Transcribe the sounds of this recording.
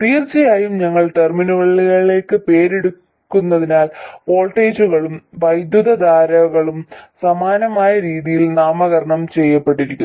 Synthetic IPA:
t̪iːrt͡ɕɐjaːjumɲɐŋːɐɭt̪erminuʋɐɭiɭiɣɐɭile̞ːkːɨpe̞ːɾeɽukː | unːɐðinaːlpo̞ːlʈːeːd͡ʑuɣɐɭumʋɐjd̪juðɐd̪aːɾɐɣɐɭumsɐmaːnɐmaːjɐɾiːðijilnaːmɐɣɐɾɐɳɐmt͡ɕe̞jːɐpːe̞ʈːiɾikʲːu

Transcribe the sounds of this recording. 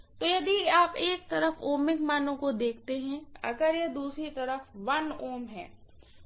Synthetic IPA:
t̪oːjɐd̪iaːpeːk̚t̪ɐɾəfoːmɪkmaːnõkod̪eːkʰt̪eɦɛ̃ɐ̰ɡəɾjed̪uːsɾit̪ɐɾəfʋɐnoːmɦɛ̰ː

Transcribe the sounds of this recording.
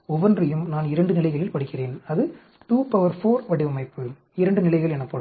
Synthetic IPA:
ɔʋɐndrɐjɯmnaːnɪɾɐɳɖɯnɪlɐɪɣɐɭɪlpɐɽɪkːɪreːnɐðɯ | ʈuːpɐʋɐɾfoːɾʋɐɽɪʋɐmɐɪpːɯ | ɪɾɐɳɖɯnɪlɐɪɣɐɭɛnɐpːɐɽ

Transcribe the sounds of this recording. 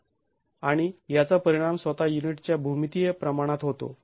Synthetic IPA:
aɽ̃ijat͡sapəɾiɽ̃amsʋət̪ajuniʈt͡ɕjabʱumit̪ijepɾəmaɽ̃at̪ɦot̪o̰

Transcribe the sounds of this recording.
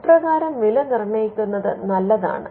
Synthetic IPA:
prɐɣaːɾɐmʋilɐnirɳɐjikʲːunːɐðɨ̰nɐlːɐða̰ːɳɨ̰

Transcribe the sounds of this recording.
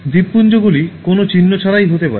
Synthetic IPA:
d̪ipːund͡ʑoɡulikonot͡ɕinːot͡ɕʰaɾajɦot̪epa̰ɾe

